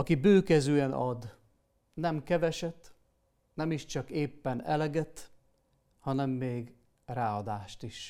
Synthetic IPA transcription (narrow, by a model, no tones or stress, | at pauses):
ɒkibøːkɛzøːɛnʔɒd̪ | nɛmkɛvɛʃɛt̪ | nɛmiʃt͡ʃɒkeːpːɛnɛ̰lɛɡɛt̪ | hɒnɛmːeːɡ | raːɒd̪aːʃt̪iʃ